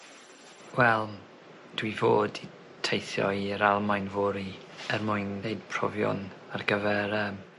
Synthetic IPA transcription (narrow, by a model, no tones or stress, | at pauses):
wɛlˠ | d̥wivoːdi | tʰejθjɔ̰jəɾalˠmajnvʊɾi | ərmʊɨneɨd̥̚pʰr̥ɔ̰vjɔ̰narɡəvɛɾəm